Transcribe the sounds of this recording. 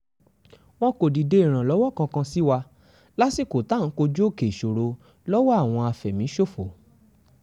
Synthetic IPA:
w̃ɔ̃˦ko˨di˨de˦i˦˨ɾ̃ã˨lɔ˨˦wɔ˦˨kã˧kã˧si˦wa˧ | la˦si˦˨ko˨ta˦˨n̩˨˦ko˧d͡ʒo˦˨ke˨ʃo˨ɾo˧ | lɔ˦wɔ˦a˦˨w̃ɔ̃˧a˧fɛ˨mĩ˨˦ʃo˦˨fo˨

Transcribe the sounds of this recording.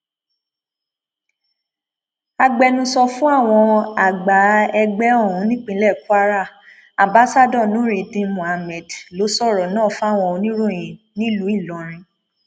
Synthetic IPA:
a˧ɡ͡bɛ˧nũ˧sɔ˧fũ˦a˦˨w̃ɔ̃˧a˨ɡ͡ba˨˦ɛ˧ɡ͡bɛ˦ɔ˦˨ũ˨˦nĩ˦k͡pĩ˧˦lɛ˦˨ku˦a˦ɾa˦˨ | ã˨ba˨˦sa˦dɔ̃˦˨nũ˨˦ɾi˨dĩ˧mũ˨a˨mɛ˨dlo˨˦sɔ˦˨ɾɔ˨nãː˦˨fũ˦a˦˨w̃ɔ̃˧o˧nĩ˦ɾo˦˨j̃ĩ˨nĩ˦lu˨˦i˦˨lɔ˨˦ɾ̃ĩ˧

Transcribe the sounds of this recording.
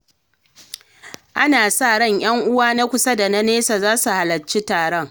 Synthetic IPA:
ʔa˦naː˨saː˦˨ɽɔ˦˨ɲj̰ɐ˦ŋʔʊ˦waː˦na˦kʷʊ˦sɐ˦da˨na˦neː˦saː˨zaː˦su˨ha˨lɐ˨t͡ʃːi˦taː˨ɽɔ˦ŋ

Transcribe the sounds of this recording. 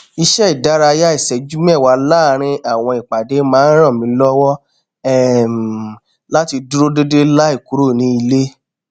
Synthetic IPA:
i˧ʃɛ˦i˨da˦ɾa˧ja˦i˦˨sɛ˨d͡ʒu˦m˦ɛ˦˨wa˨˦la˦˨ɾ̃ĩ˧a˦˨w̃ɔ̃˧i˨k͡pa˨de˨˦mãː˨˦n˦ɾ̃ɔ̃˦˨mĩ˨˦lɔ˦wɔ˦ | ɛ˦˨m | la˦ti˧du˦ɾo˦de˦de˦la˦i˦˨ku˨˦ɾo˦˨nĩ˧˦i˧le˦

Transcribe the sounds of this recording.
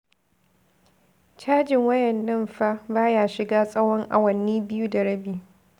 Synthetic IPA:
t͡ʃaː˦d͡ʒɪ˨ŋwɐ˦jɛ˨nːɐ˦˨mɸa˦baː˦jaː˦ʃɪ˨ɡaː˦sʼɐ˦wɔ˦ŋʔa̰˨wɐ˨nːiː˦bɪ˦ju˦da˨ɽɐ˦biː˨

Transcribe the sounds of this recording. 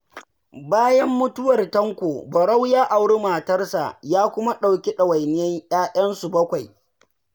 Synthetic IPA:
baː˦jɐ˦mːʊ˦tʊ˦wɐ˨rtɐ˦ŋkʷoː˨bɐ˨ɽa˦wjaː˦ʔa˨wɽe˦maː˨tɐ˦rsa̰˨jaː˦kʷʊ˦ma˦ɗa˨wkʲi˦ɗɐ˨wa˨jnɪ˦jɛ˦ɲj̰aː˦jɐ˦nsu˨bɐ˦kʷa˨j

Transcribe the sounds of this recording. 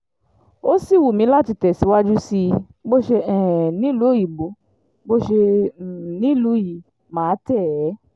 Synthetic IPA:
o˦si˦˨wu˨mĩ˧˦la˦˨ti˧˦tɛ˨si˨˦wa˦d͡ʒu˦si˧˦˧ | ɡ͡bo˦ʃe˧ɛ˨nĩ˨˦lu˨˦i˨ɡ͡bo˨˦ | ɡ͡bo˦ʃe˧˨ | nĩ˨˦lu˨˦ji˨ | mãː˨˦tɛ˦˨ɛ˨˦

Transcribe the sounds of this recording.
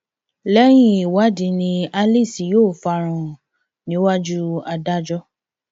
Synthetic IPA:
lɛ˦j̃ĩ˦˨i˨wa˨˦dĩ˧˦nĩ˧a˧li˦˨si˨joː˦˨fa˧˨ɾ̃ɔ̃˨ | nĩ˨˦wa˦d͡ʒu˦a˧da˦d͡ʒɔ˦

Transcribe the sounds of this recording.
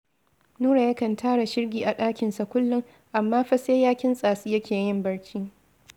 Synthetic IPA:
nuː˦ɽa˨jɐ˦kɐ˨ntʰaː˦ɽa˨ʃɪ˦rɡʲiː˨ʔa˨ɗaː˦kʲɪ˨nsa˨kʷʊ˦lːʊ˦ŋ | ʔa˨mːaː˦ɸɐ˦seː˦jaː˦kʲɪ˦nsʼaː˨siː˦jɐ˦kʲeː˨jɪ˦˨mbɐ˦ɽkʲʰiː˦

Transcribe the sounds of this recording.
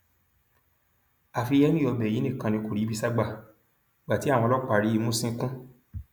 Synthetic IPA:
a˨fi˧jɛ˦nĩ˦˨ɔ˧bɛ˨i˨˦nĩ˦˨kã˧nĩ˧ko˨ɾi˨˦bi˧sa˦ɡ͡ba˦˧˨ | i˨ɡ͡ba˨ti˨˦ã˦˨ɔ̃˧lɔ˦˨k͡pa˧˨ɾi˦i˧mõ˦sĩ˦˧˦kũ˦

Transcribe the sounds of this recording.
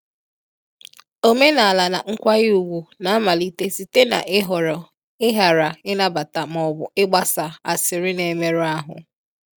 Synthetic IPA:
o˦me˦na˨a˨la˨na˨ŋ̩˦kʷa˦ɣɪ˦u˨ɡʷu˨na˨a˦ma˨li˦te˦si˨te˦na̰˨ʔɪ˦ɦɔ˨ɾɔ˨ | ɪ˦ɦa˨ɾa˨ɪ˦na˦ba˨ta˨mɔ˨bʊ̰˨ɪ˦ɡ͡ba˦sa˨a̰˨sɪ˨ɾɪ˦ne˨me˦ɾu˦a˦ɦʊ̰˨

